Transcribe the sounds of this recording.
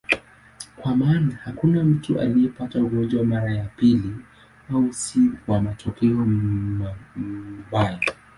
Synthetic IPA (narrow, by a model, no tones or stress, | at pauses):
kwamaːnahakunam̩tuʔa̰lijɛpatauɡɔnd͡ʒwamaɾajapili | ausiwamatɔkɛɔ | mbaja